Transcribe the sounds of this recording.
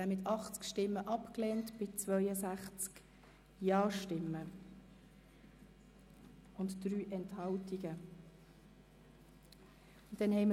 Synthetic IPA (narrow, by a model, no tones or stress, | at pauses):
ɛmɪt̪ɑχt͡skʃtɪmːəʔɑpklɛːntb̥ɪt͡svœʏəsæχt͡sk | jɑːʃtɪmːə | ʊntd̥ryːʔɛnthɑltiɡə | ʊntːɛnhɛɪmə